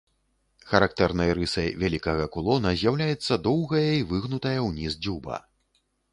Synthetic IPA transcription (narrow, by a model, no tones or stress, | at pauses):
xɐɾak̚t̪ɛrnɐjɾɨsɐjvʲalʲikɐɣɐkulˠɔnɐzʲjawlʲajɛt̪sːɐd̪ɔwɣɐjɐivɨɣnut̪ɐjɐwnʲizd͡zʲubɐ̰